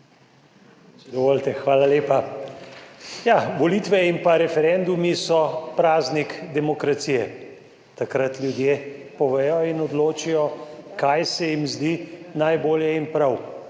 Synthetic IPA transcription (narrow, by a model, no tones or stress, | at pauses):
d̪ɔʋoːlt̪ɛxʋaːlaleːpa | jaʋɔliːt̪ʋɛimpaɾɛfɛɾɛnd̪umisɔpɾaːznikd̪ɛmɔkɾat̪siːjɛ | t̪akɾat̪ljud̪jepɔʋɛjɔinɔd̪loːt͡ʃijɔkajsɛjimzd̪inajboːljɛinpɾaw